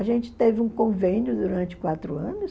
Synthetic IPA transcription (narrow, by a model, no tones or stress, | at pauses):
aʒẽnt͡ʃɪ̥t̪evɪũkõvẽnjʊd̪uɾɐ̃nt͡ʃɪkwat̪ɾʊɐ̃nʊs